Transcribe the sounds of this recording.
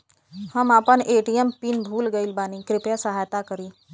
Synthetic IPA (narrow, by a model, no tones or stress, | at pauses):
həmapəɳeʈiempiːnbʱuːlɡeilbaniːkɾipjasəɦajt̪akəɾiː